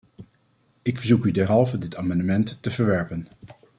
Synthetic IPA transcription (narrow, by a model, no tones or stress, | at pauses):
ɪkfəɹzukydɛɹɦɑlˠvədɪtaːmɑndəmɛnttəvəɹʋɛɹpən